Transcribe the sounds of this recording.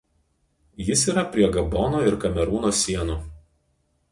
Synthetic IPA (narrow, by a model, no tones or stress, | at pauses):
jɪsiːˑɾɐpʲɾʲiɛɡɐbɔnoːɪɾkɐmʲɛɾuːnoːsʲiɛnuː